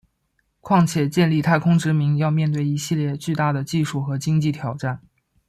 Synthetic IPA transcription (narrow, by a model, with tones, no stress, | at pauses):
kʰwɑ˥˩ŋt͡ɕʰjɛ˨˩t͡ɕjɛ˥˧nli˥˧t̪ʰa˥˩ɪkʰʊ˥ŋʈ͡ʂɻ̩˧˥mi˧˥ŋjɑ˥˧ʊmjɛ˥˧nt̪we˥˩ɪi˧˥ɕi˥˧ljɛ˥˧t͡ɕy˥˧t̪a˥˩d̪ə˩t͡ɕi˥˧ʂu˥˩xɤ˧˥t͡ɕi˥ŋt͡ɕi˥˩t̪ʰjɑ˨˩ʊʈ͡ʂa˥˩n